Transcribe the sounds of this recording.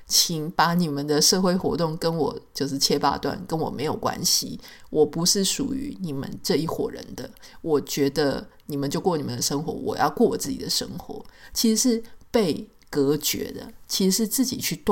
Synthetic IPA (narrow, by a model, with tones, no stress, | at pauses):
t͡ɕʰi˨˩ŋpa˧˥ni˨˩mə˨nd̪ə˨˩ʂɤ˥˧xwe˥˧ɪxwɔ̰˧˥t̪ʊ˥˩ŋkə˦nwɔ˨˩t͡ɕjo˥˧ʊʂ̬ɻ̩˥˩t͡ɕʰjɛ˥pa̰˥˧t̪wa̰˥˨˩nkə˦˥nwɔ˨˩me˧˥ɪjo˨˩ʊkwa̰˦˥nɕḭ˨wʔɔ˨˩pu˧˥ʂɻ̩˥˩ʂṵ˨˩y̰˧˦ni˨˩mə̰˦nʈ͡ʂɤ˥˧i˥˩xwɔ̰˨˩ɻə̰˧˦nd̪ə̰˧ | wɔ˨˩t͡ɕɥɛ˧˥d̪ə̰˧ni˨˩mə˨˦nt͡ɕjo˥˧ʊkwɔ˥˩ni˨˩mə˨nd̪ə˨ʂɤ˥ŋxwɔ̰˧˥wɔ̰˨˩jɑ̰˥˧ʊkwɔ˥˩wɔ˨˩t͡sɹ̩˥˩t͡ɕḭ˨˩d̪ə˦ʂə̰˥ŋxwɔ̰˧˥˦t͡ɕʰi˧˥ʂɻ̩˧˥ʂɻ̩˥˧pe˥˩ɪ | kɤ˧˥t͡ɕɥɛ̰˧˥d̪ə̰˧t͡ɕʰi˧˥ʂ̩˧˥ʂɻ̩˥˧t͡sɹ̩˥˩t͡ɕi˨˩t͡ɕʰy˥˧t̪